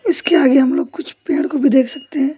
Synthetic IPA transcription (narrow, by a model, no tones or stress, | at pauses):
ɪskeaːɡeɦɐmloːɡkʊt͡ʃʰpeːɽkobʱid̪eːkʰsɐk̚t̪eɦɛ̃ː